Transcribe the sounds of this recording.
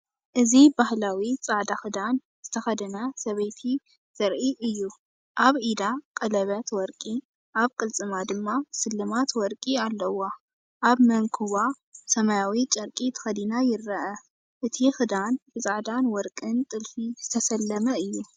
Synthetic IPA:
ʔɨzibahlawit͡sʼaʕd̪axɨd̪an | z̥ɨt̪ʰɐxɐd̪ɐnɐsɐβɐjt̪ʰi | z̥ɐɾʔiʔɨjːu | ʔaβʔid̪akʼɐlɐβat̪wɔɾkʼi | ʔaβkʼɨlt͡sʼɨmad̪ɨmːasɨlːɨmat̪wɔɾkʼialːɐwo | ʔaβmɐŋkʰuβa | sɐmajawit͡ʃʼɐɾkʼit̪ʰɨ̥xɐd̪inajɪɾːɐʔɐ | ʔɨt̪ʰixɨd̪anb̥ɨt͡sʼaʕd̪anwɔɾkʼɨnt̪ʼɨlfizɨt̪ʰɐsɐlːɐmɐɨjːu

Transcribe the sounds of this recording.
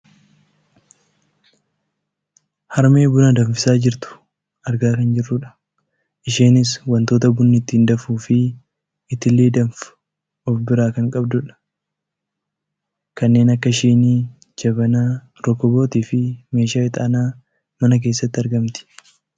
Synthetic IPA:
hɐɾmeːbʊnɐd̪ɐɱfɪsaːd͡ʒɪɾt̪ʊ̥ | ɐɾɡaːkɐnd͡ʒɪrːʊᶑɐ̥ | ʔɪʃeːnɪswɐnt̪o̞ːt̪ɐbʊnːɪt̪ːiːnd̪ɐfuːfɪː | t̪ːɪleːd̪ɐmfʊ̥ | ɔfbɪɾaːkɐŋkʼɐbd̪ʊᶑɐ̥ | kɐnːe̞ːnɐkːɐʃeːni | d͡ʒɐβɐnaː | ɾɔkːɔbo̞ːt̪iːfɪme̞ːʃaːɪt̪ʼaːnaː | mɐnɐk̬e̞ːsːɐt̪ːɪɐɾɡɐmt̪ɪ̥

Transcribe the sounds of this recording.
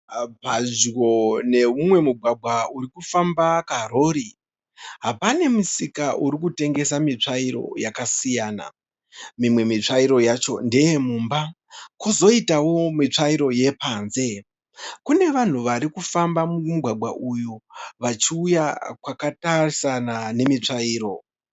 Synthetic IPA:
pad͡ʒwone̞mumwe̞muɡʱwaɡʱwauɾikufambakaro̞ːɾi | ɦapane̞musikaʔuɾikute̞ŋɡe̞samit͡ʂaiɾo̞̰jakasijaːna̰ | mimwe̞mit͡ʂaiɾo̞jat͡ʃo̞̰ndejemuːmba | kuzo̞itawo̞mit͡ʂaiɾo̞je̞paːnze̞ | kune̞ʋan̤uʋaɾikufambamumuɡʱwaɡ͡bʱwa̰ʔujuʋat͡ʃiujakwakatarisanane̞mit͡ʂaiːɾo̞

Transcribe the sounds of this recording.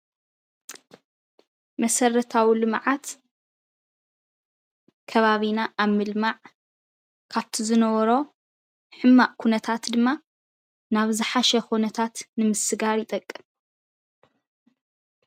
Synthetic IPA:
mɐsɐrɐt̪ʰawilɨmʕat̪ | kʰɐβaβinaʔːβmɨlmaʕ | kʰaβt̪ʰizɨnɐβɐɾo̞ | ħɨmːaʔkʰunɐt̪ʰat̪d̪ɨmːa | naβzɨħaʃɐxonɐt̪ʰat̪nɨmɨsɨɡaɾjɪt̪ʼɐkʼːɨm

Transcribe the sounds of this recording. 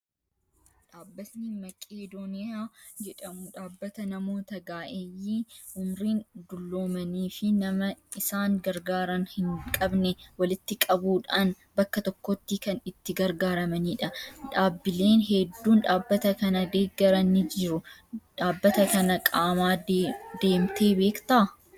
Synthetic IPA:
ᶑaːbːɐsniːmɐkʼeːd̪oːnɪjaːd͡ʒɛᶑɐmʊᶑaːbːɐt̪ɐnɐmo̞ːt̪ɐɡaːʔejːiːʔʊmɾiːnd̪ʊlːo̞ːmɐniːfɪnɐmɐɪsaːŋɡɐɾɡaːɾɐnhɪŋkʼɐbnɛwɐlɪt̪ːɪkʼɐbuːᶑaːn | bɐkːɐt̪ɔkːɔt̪ːikɐnɪt̪ːɪɡɐɾɡaːɾɐmɐniːᶑɐᶑaːbːɪle̞ːnɦɛd̪ːuːnᶑaːbːɐt̪ɐkɐnɐd̪e̞ːɡːɐɾɐnɪd͡ʒɪɾʊᶑaːbːɐt̪ɐkɐnɐkʼaːmaːd̪e̞ːmt̪e̞ːbe̞ːkt̪aː

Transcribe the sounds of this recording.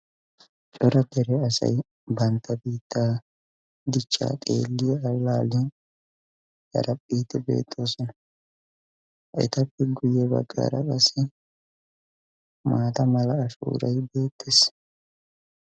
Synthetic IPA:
t͡ʃʼɔɾɐk̪ɛɾɛɐsɐ̰j | bɐnt̪ːɐbiːt̪ːaː | d̪ɪt͡ʃʼːa̰ːt̪ʼḛːlːiɐlːaːlɪ | ɐ̰ɾɐpʼːiːt̪ːɛbe̞̰ːt̪ʼːo̞ːsɔnɐ | ʔɛ̰t̪ɐpːɛɡʊjɛbɐ̰ɡːa̰ːɾɐkʼɐsɛ | maːt̪ɐmɐlɐːʃṵːɾɐ̰jbe̞ːt̪ʰːes

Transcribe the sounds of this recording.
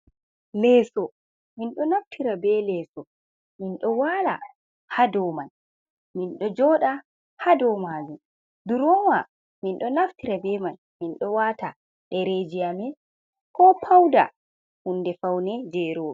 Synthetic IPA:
lɛːsɔ | minɗɔnaftʰiɾabɛlɛːsɔ | minɗɔwala̰ | hadɔman | minɗɔd͡ʒɔɗa | hadɔmaːd͡ʒum | duɾɔwa | minɗɔnaftiɾabɛman | minɗɔwata | ɗɛɾed͡ʒijamɛ | kɔpʰawda̰ | hundɛfawnɛd͡ʒɛɾoː

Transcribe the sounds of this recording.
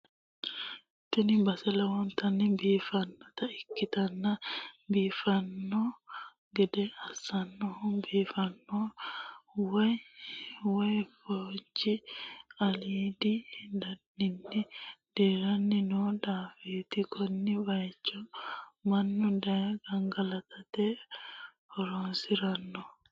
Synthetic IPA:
t̪ːɪnɪbɐsɛlɐwɔnt̪ɐnːɪbiːfɐnːɔt̪ɐɪkːɪt̪ɐnːɐbiːfɐnːɔ | ɡɛd̪ɛɐsɐnːɔhʊbiːfɐnːɔ | wɐj | wɐjfoːd͡ʒiɐliːd̪id̪ɐnːɪnːɪd̪̥eːɾɐnːɪnɔdaːfiːt̪ɪkʰɔnːɪbɐjt͡ʃːɔmɐnːɔdɐɡɐŋɡɐlɐt̪ʰɐt̪ɛ | hɔɾoːnsɪɾɐnːɔ

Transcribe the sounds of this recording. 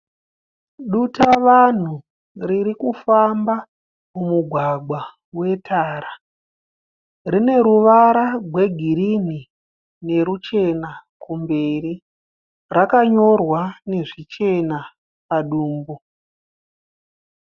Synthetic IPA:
ɗutaʋan̤u | riɾikufamba | mumuɡʱwaɡwa | we̞tʰaːɾa | rine̞ɾuʋaɾaɡʱwe̞ɡʱiɾini | ne̞ɾut͡ʃe̞nakumbe̞ri | rakaɲo̞rwane̞ʐit͡ʃe̞na | paɗuːmbu

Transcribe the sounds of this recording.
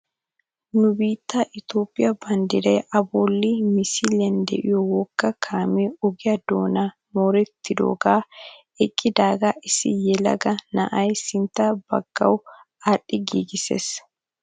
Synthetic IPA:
nʊbiːt̪ːaʔɪt̪oːpʼːɪjɐbɐnd̪ɪɾɛjʔɐboːlːiːmɪsilɪɐnd̪ɛ̰ʔɪjɔwɔkːɐkʰaːmɛɔɡɪjɐd̪oːnaː | mɔːɾɛt̪ːɪd̪o̰ːɡaː | ɛkʼːɪd̪aːɡaʔɪsɪjɛlɐ̰ɡɐnɐ̰ʔɐjsɪnt̪ːɐbɐ̰ɡ̥ːɐ̰w | ɐɗːɪɡiːɡɪsḛːs

